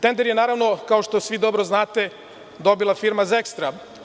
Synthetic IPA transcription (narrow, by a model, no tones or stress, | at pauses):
t̪end̪eɾjenaːɾaʋno̞kao̞ʃt̪o̞sʋid̪o̞bɾoznaːt̪e̞ | d̪o̞bilˠafiɾmazekst̪ɾa